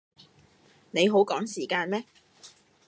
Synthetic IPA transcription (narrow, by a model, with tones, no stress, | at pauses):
ne˨˧jɦo˨˥wkɔː˨˥ŋsiː˨˩kaː˧nmɛː˥